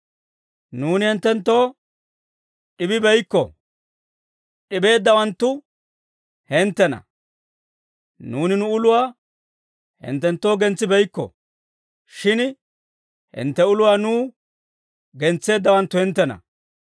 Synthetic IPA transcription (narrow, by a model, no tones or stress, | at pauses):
nuːnɪhɛnt̪ːɛnt̪ːo̞ː | ɗɪbɪbɛjkːɔ̰ | ɗɪbe̞ːd̪ːɐwɐnt̪ːʊ | hɛnt̪ːɛnɐ̰ | nuːnɪnʊʊlʊwaː | hɛ̰nt̪ːɛnt̪ːo̞ːɡɛnt͡sːɪbɛjkːɔ̰ | ʃɪn | hɪ̰nt̪ːɛʊlʊwaːnuː | ɡɛnt͡sːe̞ːd̪ːɐwɐnt̪ːʊhɛnt̪ːɛnɐ̰